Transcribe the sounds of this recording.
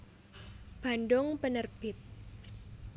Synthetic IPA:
b̥a̤ndʊŋpənərb̥ɪt̪̚

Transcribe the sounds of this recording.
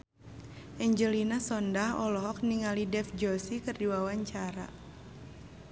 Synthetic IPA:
ʔɛɲd͡ʒəlinasɔndahɔlɔɦɔk̚niŋalidɛfd͡ʒɔsikɨrdiwawaɲt͡ʃaɾa̰

